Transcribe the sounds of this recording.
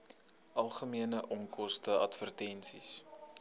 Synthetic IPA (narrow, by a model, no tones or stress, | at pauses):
ʔɐlˠχəmiənəʔɔŋkɔstəʔɐtfərtɛnsis